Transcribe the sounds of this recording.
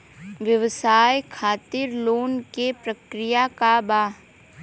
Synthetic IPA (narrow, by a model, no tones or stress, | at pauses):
ʋjəʋsaːjkʰaːt̪ɪɾloːnkepɾəkɾɪjakabaː